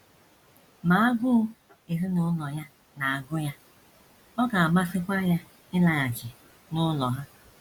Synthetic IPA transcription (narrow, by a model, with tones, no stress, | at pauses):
ma˨a˦ɡʊ˦ | e˨ɦɪ˦nʊ˦lɔ˨ja˦ | na˨a˨ɡʊ˦ja˦ | ɔ˦ɡa˨a˨ma˦sɪ˦kʷa˦ja˦ | ɪ˦la˨a˨d͡ʒɪ˨ | nʊ˦lɔ˨ɦa˦